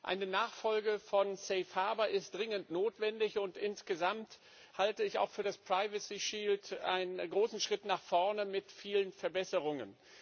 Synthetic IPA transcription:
ʔa̰ɪnənaːχfɔlɡəfɔnsɛɪfhaɐbɐʔɪst̚d̥ʁɪŋəntnoːtv̥ɛndɪçʊntʔɪnsɡ̥əzamt | haltəɪça̰ʊxfyːɐdaspʁ̥aɪvəsiʃiːltʔa̰ɪnənɡʁoːsn̩ʃʁ̥ɪtnaːχfɔɐnəmɪtfiːlənfɛɐbɛsəʁʊŋən

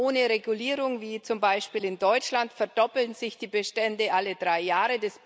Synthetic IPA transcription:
oːnəʁeɡuliːʁʊŋviːt͡sʊmbaɪʃpiːlɪndɔʏt͡ʃlantfɛɐdɔpl̩nzɪçd̥iːbəʃtɛndəʔalədʁaɪjaːʁədɛs

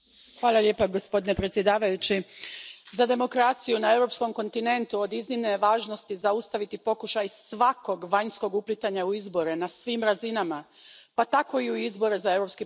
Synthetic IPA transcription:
xʋaːlˠalʎe̞paɡo̞spo̞d̪inepɾet̪sje̞d̪aːʋajut͡ɕi | zad̪e̞mo̞kɾat̪sijunae̞wɾo̞psko̞mko̞nt̪ine̞nt̪uo̞d̪iznimneʋaːʒno̞st̪izaust̪aʋit̪ipo̞kuʃajsʋako̞ɡʋaɲsko̞ɡuplit̪aɲauizbo̞ɾenasʋiːmɾazinama | pat̪ako̞iuizbo̞ɾezae̞vɾo̞pski

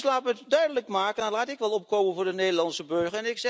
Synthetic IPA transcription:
slaːpətdœɥdələkmaːkənnlaːtɪkʋɛlˠɔp̚koːmənvʊːrdəneːdəlɑnsəbøɹχəɛnɪksɛ

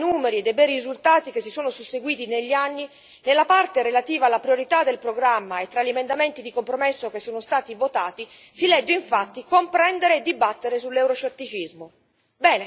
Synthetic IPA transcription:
nuːmeɾied̪ejbɛːɾiizult̪aːt̪ik̟esːisoːnosusːeɡwiːt̪ineʎːianːi | nelːapart̪eɾelat̪iːvalːapɾioɾit̪ad̪elpɾoɡɾamːaet̪ːɾaʎːiemend̪ament̪id̪ikompɾomesːokesːoːnost̪aːt̪ivot̪aːt̪i | silɛd͡ʒːeiɱfat̪ːikompɾɛnd̪eɾeːd̪ːibat̪ːeɾesulːɛwɾot͡ʃet̪ːit͡ʃizmo | bɛːne

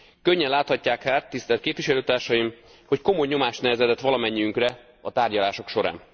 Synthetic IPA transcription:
køɲːɛnlaːt̪hɒcːaːkhaːt̪ːist̪ɛlt̪keːpvʋiʃɛløːt̪aːrʃɒjim | ho̞cko̞mo̞jɲo̞maːʃnɛvɛzɛt̪ɛt̪ʋɒlɒmɛɲːiyŋkrɛ | ɒt̪aːrɟɒlaːʃo̞kʃo̞ɾa̰ːn

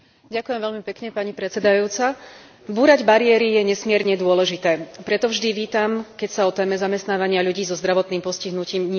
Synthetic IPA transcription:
ɟakujɛmʋɛlmipɛkɲɛpaɲipɾɛt͡sɛd̪ajuːt͡sa | buːɾaɟbaɾijɛːɾijɛɲɛsmɪɛɾɲɛd̪ʊɔlɛʒit̪ɛːpɾɛt̪ɔvʒd̪iʋiːt̪amkɛcsaɔt̪ɛːmɛzamɛst̪naːʋaɲɪaʎuɟiːzɔzd̪ɾaʋɔt̪niːmpɔsciɦnuciːmɲɪ

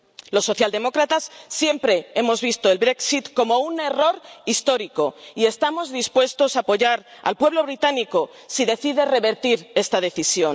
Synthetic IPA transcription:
lo̞sːo̞θjald̪e̞mo̞kɾat̪asːje̞mpɾe̞e̞mo̞zβist̪o̞elβɾe̞ksit̪ko̞mo̞une̞ro̞ɾist̪o̞ɾiko̞ie̞st̪amo̞zðispwe̞st̪o̞sapo̞ʝaɾa̰lpwe̞β̞lo̞β̞ɾit̪aniko̞ | siðe̞θiðe̞re̞βe̞ɾt̪iɾe̞st̪að̞e̞θisjo̞n

